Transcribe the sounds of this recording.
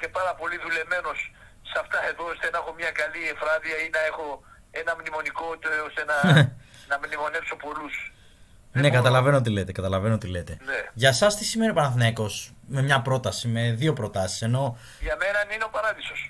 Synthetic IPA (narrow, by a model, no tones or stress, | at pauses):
ce̞pɐɾɐpo̞liðule̞vme̞no̞sː | ɐft̪ɐe̞ðo̞sðenexo̞mɲɐkɐliefɾɐðiɐinɐe̞xo̞ | e̞nɐmnimo̞nikot̪eosenɐ | nɐmnimo̞ne̞pso̞po̞lus | nekɐt̪ɐlɐve̞noot̪̬ile̞t̪e̞kɐt̪ɐlɐvenoot̪ile̞t̪e̞neʝɐsɐst̪isime̞niopɐnɐθinɐko̞s | me̞mɲɐpɾo̞t̪ɐsime̞ðio̞pɾo̞t̪ɐsi̥se̞no̞ | ʝɐme̞nɐnineo̞pɐɾɐðiso̞s